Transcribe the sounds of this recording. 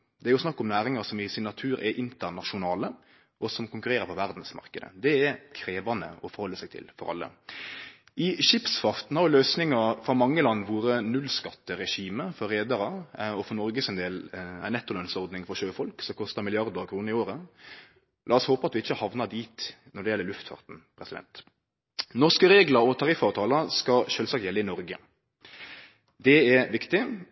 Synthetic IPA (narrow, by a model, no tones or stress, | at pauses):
d̪ɛæɾjʊsnɑkːɔmnæːɾɪŋɑsɔmɪsɪnːɑt̪ʰʉːɾɛʔɪnt̪əɾnɑʃʊnɑːlə | ɔsɔmkʊŋkʉɾeːɾəɾpʰɔʋæɾd̪n̩smɑ̰ɾkəd̪ə̰d̪ɛɛɾkʰɾeːʋɑnə̰ɔfɔɾhɔlːəsæɪt̪ʰɪ̰lfɔɾɑ̰lːə̰ | ɪʃɪpsfɑɾt̪n̩hɑɾjʊløːsnɪŋɑfɾɔmɑŋːəlɑnːʋuːɾənʉlskɑt̪ːəɾɛʂiːməfɔɾeːd̪ɑɾɑɔfɔɾnɔɾɡəsɛnd̪eːlæ̰ɪnɛt̪ːəlɑnsɔɾd̪nɪŋfɔʃøːfɔlksɔmkʰɔst̪ɑmɪlɪɑɾd̪əɾkʰɾuːnəɾɪoːɾə | lɑːɔshoːpəɑt̪ʋɪɪçːəhɑʋnɑd̪iːt̪ | nɔd̪ɛjɛlːəɾlʉft̪fɑ̰ʁt̪n̩pʰɾɛsɪd̪ɛ̰nt̪ | nɔʁskəɾeːɡlɑɾɔt̪ʰɑʁɪfɑʋt̪ʰɑːləskɑʃøːlsɑkt̪jɛlːəɪnɔɾɡə̰ | d̪ɛɛɾʋɪkt̪ɪ